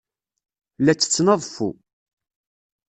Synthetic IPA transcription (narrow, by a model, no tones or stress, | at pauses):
læt͡sːə̥t͡sːnəðˤfṵ